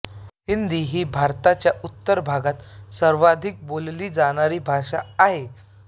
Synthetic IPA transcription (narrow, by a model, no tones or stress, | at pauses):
ɦind̪iːɦiːbʱaɾt̪at͡ɕjaut̪ːəɾbʱaɡat̪səɾʋad̪ʱik̚bolliːd͡zaɽ̃aɾiːbʱaʂaaɦe